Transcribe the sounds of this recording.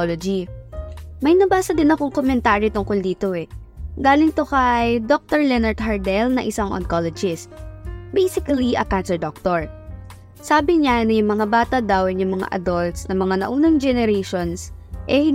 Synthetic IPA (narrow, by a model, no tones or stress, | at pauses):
lod͡ʒi | mɐjnɐbaːsɐd̪ɪnɐkoŋkomɛnt̪aːɾit̪ʊŋkold̪iːt̪o̞ʔɛ | ɡaːlɪŋt̪okɐjd̪ok̚t̪ɔɹlɛnɐɹt̪̚hɐɹd̪ɛlnɐʔɪsaŋʔo̰nkolɛd͡ʒɪst̪̚bejsɪkɐliʔɐkansɛɹd̪ok̚t̪oɹ | saːbɪɲanɐjʊŋmɐŋabaːt̪ɐd̪ɐwnjʊŋmɐŋa̰ʔɐ̰d̪olt̪snɐmɐŋanɐ̰ʔuːnɐŋd͡ʒɛnɛɾejʃonsʔɛhɪ